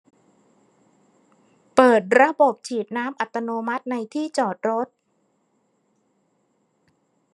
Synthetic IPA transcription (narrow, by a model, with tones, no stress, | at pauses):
pɤː˨˩t̪̚ɾa˧bo˨˩p̚t͡ɕʰiː˨˩t̪̚naː˦˥mʔa˨˩t̪ːa˧noː˧ma˦˥t̪̚na˧jt̪ʰiː˥˩t͡ɕɔː˨˩t̪̚ɾo˦˥t̪̚